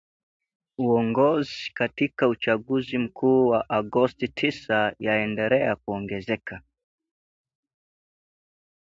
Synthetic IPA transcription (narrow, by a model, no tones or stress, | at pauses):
uɔŋɡɔzikatikaut͡ʃaɠuzim̩kʰuːwaʔaɡɔstitʰisajaɛndɛlɛak̚uɔŋɡɛzɛka